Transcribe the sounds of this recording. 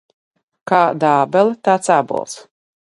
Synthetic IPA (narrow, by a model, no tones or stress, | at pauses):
kaːd̪aːbɛlt̪aːt̪sabṵlˠs